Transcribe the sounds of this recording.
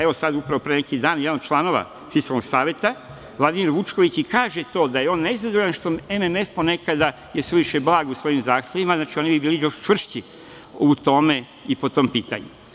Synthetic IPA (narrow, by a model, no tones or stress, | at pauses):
eo̞sad̪upɾaʋo̞pɾenekid̪aːnjd̪anot͡ʃlˠano̞ʋa̰ | fiskalno̞ɡsaːʋjet̪a | ʋlˠad̪imiɾʋut͡ʃko̞ʋit͡ɕikaːʒet̪o̞ːd̪ajeo̞ːnːeizad̪oʎanʃt̪o̞ememe̞fpo̞ne̞kad̪a | jeseʋiʃeblˠaːɡusʋo̞jimzaːxt̪ʰʲje̞ʋimaznaːt͡ʃio̞nibibiːlijo̞ʃt͡ʃʋr̩ʃt͡ɕi | ut̪o̞me̞ | ipo̞t̪o̞ːmpiːt̪a̰ɲṵ